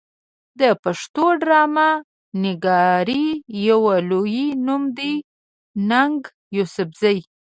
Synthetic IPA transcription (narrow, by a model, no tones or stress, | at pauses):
d̪əpaʂt̪oɖɾɑma | nɪɡɑɾijawalojinumd̪i | naŋɡ | jusʊfzaj